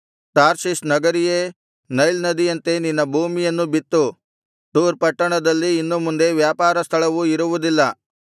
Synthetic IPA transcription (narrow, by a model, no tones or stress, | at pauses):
ʈaːɾsisnɐɡɐɾijeː | nɐjlnɐd̪ijɐnt̪e̞ninːɐbʱuːmijɐnːubit̪ːu | t̪uːɾpɐʈːɐɳɐd̪ɐlːiːnːumund̪e̞ʋjaːpaːɾɐst̪ʰɐɭɐʋuiɾuʋud̪ilːɐ